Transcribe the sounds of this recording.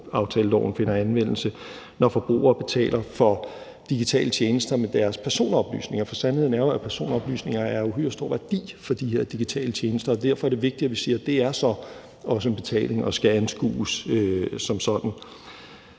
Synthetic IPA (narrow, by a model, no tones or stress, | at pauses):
ɑ̈ʊt͡sʰɛːlˠɒʊ̰n̩fe̝nɐænʋen̰l̩sə | nɒfɒ̽b̥ʁṵːʔɐːb̥e̝t͡sʰɛ̰ːlʔɐfɒ̽ | d̥iɡ̥it͡sʰɛ̰ːlət͡ɕʰjeːnəsd̥ɐmed̥æɐspʰæɐso̝̰ːnɒ̽b̥ly̰ːsne̝ŋɐfɒ̽sænheðˠnæɐɐpʰæɐso̝̰ːnɒ̽b̥ly̰ːsne̝ŋ̰ɐæɐuɦø̰sd̥o̝ɐ̰ʋæɐd̥ḭːfɒ̽d̥iɦe̝ɐ̰d̥iɡ̥it͡sʰɛ̰ːlət͡ɕʰjeːnəsd̥ɐ̽ːd̥æɐfɒɐɾ̥e̝ʋe̝ɡ̥̚d̥idæʋisiːɐd̥e̝æɐsɒ̽ | ɒ̽s̬əenb̥e̝t͡sʰɛ̰ːle̝ŋɒ̽sɡ̥æænsɡ̥ṵːsøsɒ̽msɒ̽d̥n̩